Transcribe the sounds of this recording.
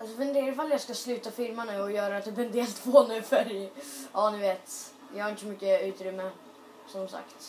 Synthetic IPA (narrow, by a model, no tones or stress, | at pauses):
alsɔfɛnd̪eːɾɪfaljaskaslʉ̟ːt̪afɪɾmanʉ̟ːɔjœːɾat̪ʰɪbɛnd̪eːlt̪pʰɔnʉːfæɾjʔɑːnɪveːt̪ | jɑhaɾɪnt̪əsɔmʏkːəʉ̟ːt̪ɾʏmːə | sɔmsa̰kt̪